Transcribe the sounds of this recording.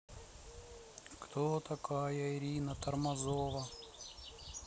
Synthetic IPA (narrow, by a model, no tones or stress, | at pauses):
kt̪ʰot̪ɐkajɐɪɾʲinət̪ɐrmɐzovə